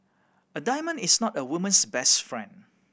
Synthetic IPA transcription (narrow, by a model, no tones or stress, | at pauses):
ədaɪmə̃nɪsnɔtəwumə̃nsbɛstfɹɛ̰̃nd